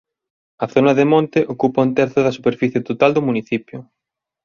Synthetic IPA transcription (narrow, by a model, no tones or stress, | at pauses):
ɐθonɐðemõnt̪ɪʔokupɐunt̪ɛɾθʊðɐsupeɾfiθjet̪ot̪ald̪ʊmuniθipjʊ